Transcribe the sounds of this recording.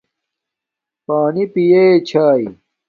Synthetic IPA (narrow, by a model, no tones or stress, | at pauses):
paːnipijeːt͡ɕʰaːi